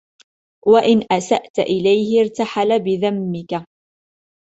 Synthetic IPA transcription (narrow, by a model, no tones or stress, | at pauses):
waʔɪnʔasaʔt̪aʔɪlajhɪɪɾt̪aħalabɪðamːɪka